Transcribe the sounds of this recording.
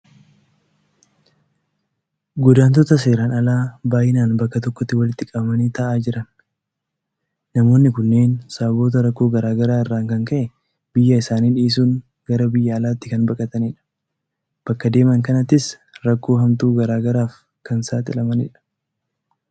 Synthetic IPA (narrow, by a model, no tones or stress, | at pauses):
ɡʊd̪aːnt̪ɔt̪ɐs̬eːɾɐnɐlaːbaːjɪnaːnbɐkːɐt̪ɔkːɔt̪ːɪwɐlɪt̪ːɪkʼɐbɐmɐniːt̪ɐʔaːd͡ʒɪɾɐn | nɐmo̞ːnːɪkʊnːe̞ːnsabo̞ːt̪ɐɾɐkːo̞ːɡɐɾaːɡɐɾaːɪrːaːŋkɐŋkɐʔɛ | b̥ɪjːɐɪsaːniːᶑiːs̬uːŋ | ɡɐɾɐbɪjːɐːlaːt̪ːɪkɐnbɐkʼɐt̪ɐnɪᶑɐ̥ | b̥ɐkːɐd̪e̞ːmɐŋkɐnɐt̪ːɪs | ɾɐkːo̞ːɦɐmt̪uːɡɐɾaːɡɐɾaːf | kɐnsaːt̪ʼɪlɐmɐnɪ̰ᶑɐ̥